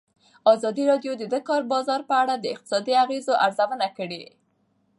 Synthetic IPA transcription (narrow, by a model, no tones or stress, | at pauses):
ɑzɑd̪iɾɑɖjod̪əd̪əkɑɾbɑzɑɾpəaɽad̪əɪq̚t̪ɪ̥sɑd̪iaɣezoʔaɾzawənakəɽe